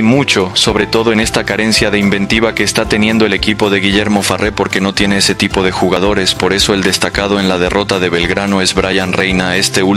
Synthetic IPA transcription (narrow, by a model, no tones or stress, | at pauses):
mut͡ʃo̞so̞βɾe̞t̪o̞ð̞o̞e̞ne̞st̪akaɾe̞nsjaðeimbẽ̞nt̪iβ̞ake̞ːst̪at̪e̞njẽ̞nd̪oe̞le̞kipo̞ðe̞ɣiʝe̞ɾmo̞farʔe̞po̞ɾke̞no̞t̪je̞ne̞ese̞t̪ipo̞ð̞e̞xuɣað̞o̞ɾe̞spo̞ɾe̞so̞e̞ld̪e̞st̪akað̞o̞e̞nlað̞e̞rʔo̞t̪aðe̞βe̞lɣɾano̞e̞zβɾaʝanrejnae̞st̪e̞ul